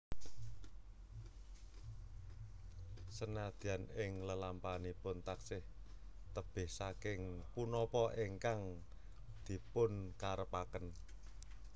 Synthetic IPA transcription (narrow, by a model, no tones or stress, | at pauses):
sənad̪̥ianɪŋləlampanipʊnt̪aksɪh | t̪əb̥ɪ̤hsakɪŋpunɔpɔʔeŋkaŋ | d̪̥i̤pʊnkaɾəpakən